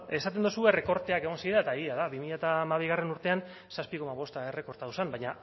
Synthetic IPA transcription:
e̞sat̪̬end̪usue̞re̞ko̞ɾt̪e̞ake̞ɣ̞o̞nsiɾaet̪aeɣiaðaβimiʎat̪aːmaβ̞iɣare̞nuɾt̪e̞an | saspiko̞maβ̞o̞st̪aere̞ko̞ɾt̪awsambajɲa

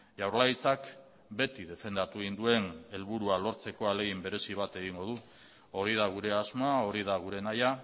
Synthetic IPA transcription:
ʝawɾlajt͡sak | be̞t̪iðe̞fe̞nd̪at̪uind̪ue̞ne̞lβuɾualo̞ɾt͡se̞ko̞ale̞ɣimbe̞ɾe̞siβ̞at̪e̞ɣ̞iŋɡo̞ð̞u | o̞ɾið̞aɣ̞uɾe̞azmao̞ɾið̞aɣ̞uɾe̞naja

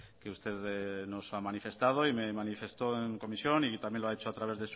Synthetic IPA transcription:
keust̪e̞ðno̞samanife̞st̪að̞o̞imemanife̞st̪oeŋko̞misjonit̪amjeloaet͡ʃoat̪ɾaβe̞zðes

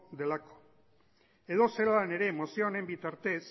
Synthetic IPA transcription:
d̪e̞lako̥ | e̞ðo̞selane̞ɾe̞ːmo̞sione̞mbit̪aɾt̪e̞s

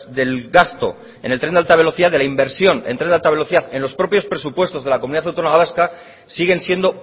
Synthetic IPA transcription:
ðe̞lɡast̪o̞̰ | e̞̰ne̞lt̪ɾend̪ealt̪aβe̞lo̞θiðaðelaimbe̞ɾsjo̞nent̪ɾnd̪alt̪aβe̞lo̞θiðaθe̞nlospɾo̞pjo̞spɾe̞supwe̞st̪o̞zðe̞lakomuniðaθawt̪onoaɣaðaska | siɣe̞nsje̞nd̪o̞

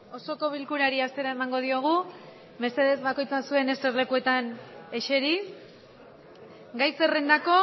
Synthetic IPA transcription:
o̞so̞ko̞β̞ilkuɾaɾiast̪e̞ɾae̞maŋɡo̞ð̞io̞ɣ̞u | me̞st̪e̞ðe̞zβako̞jt͡sasue̞ne̞st̪e̞ɾle̞kue̞t̪ane̞ʃe̞ɾi | ɡajse̞re̞nd̪ako̞

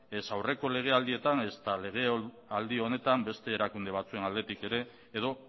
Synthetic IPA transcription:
esawre̞ko̞le̞ɣ̞e̞ald̪ie̞t̪ane̞st̪ale̞ɣ̞e̞ | ald̪io̞ne̞t̪ambe̞st̪e̞ːɾakund̪e̞β̞at͡sue̞nald̪e̞t̪ike̞ɾe̞ː | ð̞o̞

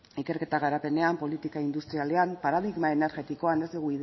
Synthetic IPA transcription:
ike̞ɾke̞t̪aɣaɾape̞ne̞ampo̞lit̪ikaind̪ust̪ɾiale̞ampaɾaðiɣmae̞ne̞ɾɣe̞t̪iko̞ane̞zd̪uɣuið

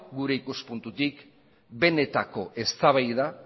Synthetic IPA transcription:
ɡuɾe̞ikuspunt̪ut̪ik | be̞ne̞t̪ako̞ʔe̞st̪aβ̞ajða

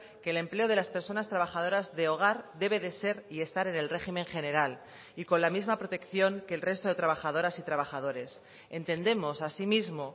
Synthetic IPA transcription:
ke̞ːle̞mple̞o̞ð̞e̞laspe̞ɾso̞nast̪ɾaβaxað̞o̞ɾazðe̞o̞ɣ̞aɾd̪e̞βe̞ðe̞se̞ɾie̞st̪aɾe̞ne̞lre̞ximẽ̞ŋxe̞ne̞ɾal | iko̞nlamizmapɾo̞t̪e̞kθjo̞ŋke̞lre̞st̪o̞ðe̞t̪ɾaβ̞axað̞o̞ɾasit̪ɾaβaxað̞o̞ɾe̞s | e̞nt̪e̞nd̪e̞mo̞sasimizmo̞

